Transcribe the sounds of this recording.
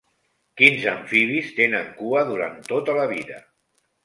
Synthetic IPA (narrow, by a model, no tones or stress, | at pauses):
kinzəɱfiβist̪enəŋkuəðuɾa̰nt̪ot̪ələβ̞iðə̰